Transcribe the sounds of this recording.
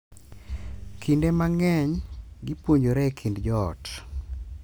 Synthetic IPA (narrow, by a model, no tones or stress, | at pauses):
kʰindemaŋɛɲɡɪpwoɲd͡ʒoɾɛkʰindd͡ʒɔ̰ːt